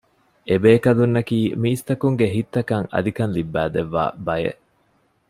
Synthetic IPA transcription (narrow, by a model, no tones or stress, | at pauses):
ʔebeːkɐlunːɐkiːmiːst̪ɐkuŋɡeɦit̪ːɐkɐŋɐ̰d̪ikɐnlibːæːd̪eʋːa̰ːbɐjḛʔ